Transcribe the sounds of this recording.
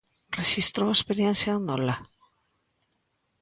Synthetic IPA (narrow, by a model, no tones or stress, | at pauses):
rexist̪ɾoespeɾjensjaðunola